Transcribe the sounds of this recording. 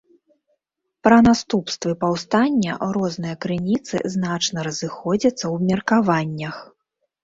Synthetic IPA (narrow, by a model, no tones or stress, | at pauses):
pɾɐnast̪upst̪vɨpawst̪anʲːɐ̰ɾɔznɨjɐkɾɨnʲit̪sɨ̰znat͡ʂnɐɾɐzɨxɔd͡zʲɐt̪sːɐwbmʲɐrkavanʲːɐx